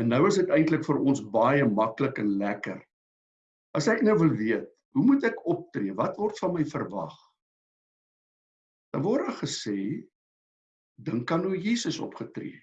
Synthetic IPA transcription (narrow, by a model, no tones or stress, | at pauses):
ɛnːəwəsdətɛjntləkfərɔnsbɐjəmɐkləkɛnlækə̰r | ɐsæknəwvəlˠviət̚ | ɦumutækɔp̚triəvɐtvɔrtfɐnməjfərvɐ̰χ | d̥ɑnvɔrdəχəseː | dəŋkːɐnuəjiːsəsɔ̰pχətrḭə